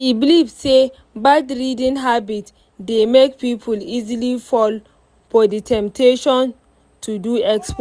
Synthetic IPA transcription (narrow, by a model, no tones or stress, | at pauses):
ibilivse | badɹidĩnɦabit | demek̚pipʰulizilifɔl | fɔditʰɛ̃mptʰeʃɔ̃n | tʰuduɛksp